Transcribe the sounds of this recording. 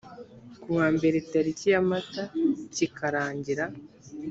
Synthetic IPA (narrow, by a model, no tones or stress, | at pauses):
kuwaːmbe̞ɾetaɾicijamatacikʰaɾaːɲɟiɾa